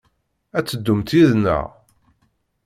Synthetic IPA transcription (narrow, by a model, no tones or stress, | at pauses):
æt͡sːəd̪ːʊmt̪iðnə̰ʁ